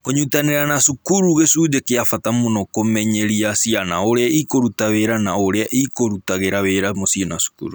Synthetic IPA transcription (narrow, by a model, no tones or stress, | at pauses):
koɲutaneɾanasukuɾuɣesud͡ʒekeafatamonɔkomɛɲeɾiasiana̰oɾeaikoɾutaβeɾanaoɾeaʔikoɾutaɣeɾaβeɾamosienasu̥kṵɾu